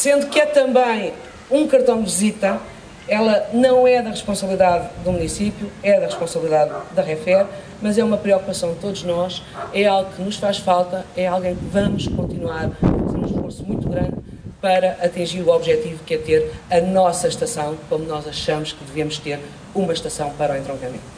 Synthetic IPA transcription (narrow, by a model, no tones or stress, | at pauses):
sẽnd̪ukɛt̪ɐ̃mbɐ̃j̃ | ũkɐɾt̪ɐ̃w̃d̪vizit̪ɐ | ɛlˠɐnɐ̃w̃ɛðɐʁɨʃpõsɐβlˠiðaððumunisipjuɛðɐʁɨʃpõsɐβlˠiðaðːɐʁɛfɛɾ | mɐzɛumɐpɾiɔkupɐsɐ̃w̃d̪ɨt̪oðuʒnɔʃ | ɛalˠɣukɨnuʃfaʃfalˠt̪ɐɛalˠɣɐ̃j̃kɨvɐmuʃkõnt̪inwaɾeɾũʃfoɾsumũj̃t̪uɣɾɐ̃nd̪ | pɐɾɐʔɐt̪ĩʒiɾuɔβʒɛt̪ivukɛt̪eɾɐnɔsɐʃt̪ɐsɐ̃w̃kõmunɔzɐʃɐmuʃkɨðɨvemuʃt̪eɾ | umɐʃt̪ɐsɐ̃w̃pɐɾɔẽnt̪ɾõŋkɐmḛ̃nt̪u